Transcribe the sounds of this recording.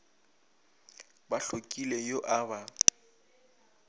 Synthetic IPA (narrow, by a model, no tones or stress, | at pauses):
baɬokʼilejoʔaba